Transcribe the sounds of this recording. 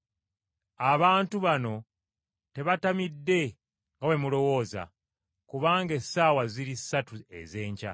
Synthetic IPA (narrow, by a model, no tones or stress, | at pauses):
aβaːntuβano̞ | te̞βatamidːe̞ | ŋɡawe̞mulo̞wo̞ːza̰ | kuβaːŋɡe̞saːwaziɾisːatue̞̰ze̞ːɲca̰